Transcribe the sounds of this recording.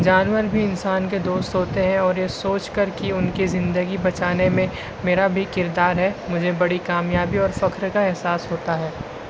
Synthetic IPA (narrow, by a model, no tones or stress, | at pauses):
d͡ʒaːnwəɾbʱiɪnsaːnk̬ed̪oːst̪ɦoːt̪eɦɛ̃ɔːɾjesoːt͡ʃkɐɾkiʊnkizɪ̃nd̪əɡibɐt͡ʃaːnemẽ | meːɾabʱikɪɾd̪aːɾɦɛmʊd͡ʒʱebɐɽikaːmjaːbiɔːɾfɐkʰɾkaɛɦsaːsɦoːt̪aɦɛː